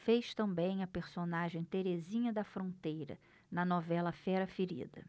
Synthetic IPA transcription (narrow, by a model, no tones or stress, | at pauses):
fejʃt̪ɐ̃mbẽj̃ɐpeɾsonaʒẽj̃t̪eɾezĩɲɐd̪ɐfɾõnt̪ejɾɐ̰ | nɐnɔvɛlɐfɛɾɐfeɾḭd̪ɐ̰